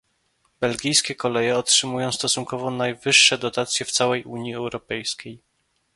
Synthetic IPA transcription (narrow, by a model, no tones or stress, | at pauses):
bɛlɡʲijskʲɛkɔlɛjɛɔtʂɘmujɔ̃w̃st̪ɔsuŋkɔvɔnajvɘʂːɛd̪ɔt̪at̪sʲjɛft̪sawɛjʔuɲjiɛwɾɔpɛjskʲej